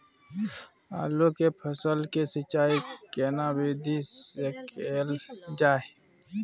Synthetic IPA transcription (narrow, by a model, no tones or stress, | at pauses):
a̰ːlokepʰəsəlkesɪt͡ʃaːikeːnaːweːd̪ʱisekeːld͡ʒaːe